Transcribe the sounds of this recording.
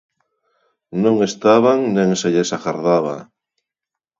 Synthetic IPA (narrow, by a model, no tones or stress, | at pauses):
nõŋest̪aβaŋnẽŋseʎesakaɾðaβa̰